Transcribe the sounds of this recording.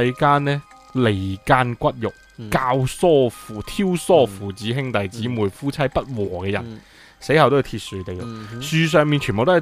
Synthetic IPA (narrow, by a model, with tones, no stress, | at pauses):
jkaː˥nlɛː˥ | le˨˩jkaː˧˥nkʷɐ˥t̚jʊ˨˩k̚kaː˧wsɔː˥˩fuː˨t̪ʰiː˥wsɔː˥fuː˨t͡siː˨˥ɦɪ˥ŋt̪ɐ˨jt͡siː˨˥muː˨˩jfuː˥t͡sʰɐ˥jpɐ˥t̚wɔː˨˩kɛː˧jɐ̰˨˩n | se˨˥jhɐ˨wt̪o˥jːt̪ʰiː˧t̚syː˨˧t̪e˨˩jʊ˨˩k̚syː˨s̬œː˨˧ŋmi˨˧nt͡ʃʰːmbo˨t̪ː